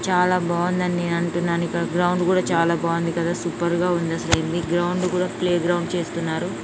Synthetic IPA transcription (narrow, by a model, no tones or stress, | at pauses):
t͡ʃaːlaːbaːʋɐnd̪ɐnineːnɐɳʈunːaːnuikːɐɽɐɡɾɐwɳɖkuːɽaːt͡ʃaːlaːbaːʋɐnd̪ikɐd̪aːsupɐɾɡaːund̪ɐsɐlɐjind̪iɡɾɐwuɳɖkuːɽaːpleːɡɾɐwɳɖt͡ʃe̞ːst̪unːaːɾu